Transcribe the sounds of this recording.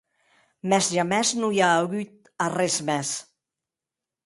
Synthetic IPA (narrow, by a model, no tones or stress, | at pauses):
mɛzʒamɛznujaːɣyt̪̚ | arɛzmɛs